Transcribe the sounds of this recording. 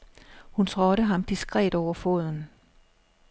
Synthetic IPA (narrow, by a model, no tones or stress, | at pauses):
hunt͡sʰʁɒɾəɦɑ̈md̥isɡ̥ʁɛ̰ːd̥ɒʊ̰ɐfo̝̰ð̞ˠn̩